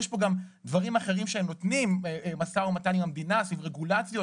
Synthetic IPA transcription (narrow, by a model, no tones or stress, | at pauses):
jeʃpo̞ɡamd̪vaʁimaχe̞ʁimʃeemno̞t̪nimmasaumatanimamd̪inasvivʁeɡulat͡sjo̞